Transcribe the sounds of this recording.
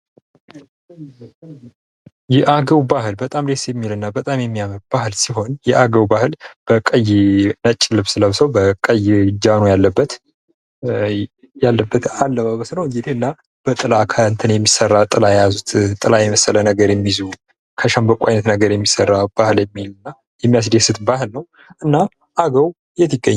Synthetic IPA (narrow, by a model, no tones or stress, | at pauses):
jɛʔaɡəwbahɨlbət̪ʼamd̪esjɛmːilɨnːabət̪ʼamjɛmːijamɨɾbahɨlsiɦo̞njɛʔaɡəwbahɨlb̥əkʼəjnət͡ʃʼːlɨβsɨləβsəwbəkʼəjd͡ʒanojalːəbːət̪ | jalːəbːət̪alːəβaβəsnəwɨŋɡɨd̪ihɨnːa | b̥ət̪ʼɨlakʰəɨnt̪ʰɨnjɛmːisərːat̪ʼɨlajɛjazut̪t̪ʼɨlajɛməsːələnəɡəɾjɛmːizu | kʰəʃəmbəkʷʼuʔajnət̪nəɡəɾjɛmːisərːab̥ahɨljɛmːilɨnːa | jɛmːijas̬d̪esɨt̪bahɨlnəw | ʔɨnːa | ʔaɡəw | jɛt̪ʰːiɡːəɲː